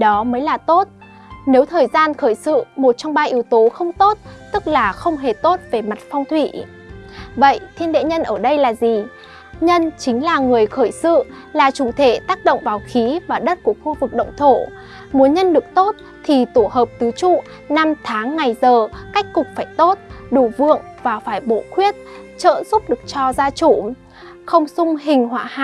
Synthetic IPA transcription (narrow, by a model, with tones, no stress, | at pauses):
ɗɔ˨˦məː˨˦jlaː˨˩t̪o˦˥t̚ | ne˨˦wt̪ʰəː˨˩jzaː˧nxəː˧˩jsɨ̰˧˨mo˨˩t̚t͡ɕɔ˧wŋ͡mɓaː˧ʔi˨˦əwt̪o˨˦xə˧wŋ͡mt̪o˦˥t̚t̪ɨ˦˥k̚laː˨˩xə˧wŋ͡mɦe˨˩t̪o˦˥t̚ve˨˩ma˨˩t̚fɔ˧wŋ͡mt̪ʰwḭ˧˨ | və̰˧˨jt̪ʰi˧ənɗḛ˧˨ɲə˧nʔəː˧˩ɗə˧jlaː˨˩zi˨˩ | ɲə˧nt͡ɕï˨˦ŋ̟laː˨˩ŋɨ˨˩əjxəː˧˩jsɨ̰˧˨ | laː˨˩t͡ɕu˧˩t̪ʰe˧˩t̪aː˦˥k̚ɗo̰˧˨wŋ͡mvaː˨˩wxi˨˦vaː˨˩ɗə˦˥t̚ku˧˩əxu˧vɨ˨˩k̚ɗə̰˧˨wŋ͡mt̪ʰo˧˩ | mu˨˦ənɲə˧nɗɨ˨˩ək̚t̪o˦˥t̚ | t̪ʰi˨˩t̪o˧˩ɦəː˨˩p̚t̪ɨ˨˦t͡ɕṵ˧˨ | na˧mt̪ʰaː˨˦ŋːa˨˩jzəː˨˩ka˦˥jk̟̚kːʊ˨˩k͡p̚faː˧˩jt̪o˦˥t̚ɗu˧˩vɨ̰˧˨əŋvaː˨˩faː˧˩jɓo̰˧˨kwi˦˥ət̚ | t͡ɕə̰ː˧˨zʊ˦˥p̚ɗɨ˨˩ək̚t͡ɕɔ˧zaː˧t͡ɕu˧˩ | xə˧wŋ͡msʊ˧ŋ͡mɦï˨˩ŋ̟hwa̰ː˧˨ha̰˧